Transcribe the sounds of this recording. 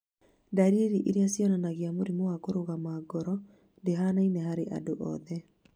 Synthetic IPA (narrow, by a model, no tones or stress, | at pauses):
daɾieɾiʔeɾeasjɔnanaɣeamoɾimowakoɾoɣamaːɡɔɾɔ | ndeɦanainɛhaɾeʔa̰doʔɔ̰ðɛ